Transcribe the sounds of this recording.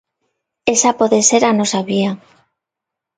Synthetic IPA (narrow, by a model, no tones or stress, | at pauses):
esapoðeseɾanosaβia